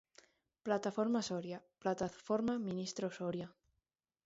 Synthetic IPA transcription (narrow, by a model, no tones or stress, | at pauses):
plat̪afoɾmasoɾjaplat̪afoɾmamĩnist̪ɾosoɾja